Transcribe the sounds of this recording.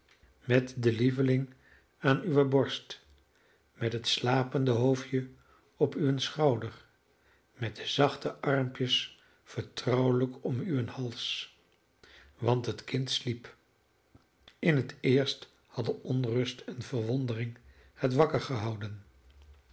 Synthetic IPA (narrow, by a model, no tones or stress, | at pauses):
mɛtdəlivəlɪŋ | aːnyʋəbɔɹst | mɛtɦətslaːpəndəɦowfjə | ɔpyənsχɑwdəɹ | mɛt̚dəzɑχtəʔɑɹmpjəs | fəɹtrɔwələkʰɔmyənhɑlˠs | ʋɑntɦətkɪntslip | ɪnɦətɪːɹst | hɑdəʔɔnrɵstɛnvəɹʋɔndərɪŋ | hətʋɑkəɹχəɦɑwdən